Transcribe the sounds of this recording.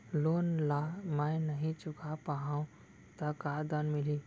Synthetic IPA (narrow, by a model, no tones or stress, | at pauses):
loːnlamãj̃nəɦĩt͡ʃʊkʰapaɦãːũ | t̪ɐkad̪anmɪli